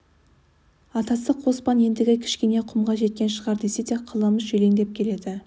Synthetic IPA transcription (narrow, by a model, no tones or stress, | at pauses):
ɑt̪ɑsəqʰwo̞spɑne̞nd̪ɪɡʲɪkʲʰɪ̥ʃkʲeneqʰʊmʁɑʒe̞t̪̚kʲe̞nʃəʁɑɾd̪e̞sed̪eqʰəlˠəməzʒɵle̞ŋd̪e̞p̚kʲʰe̞le̞d̪ɪ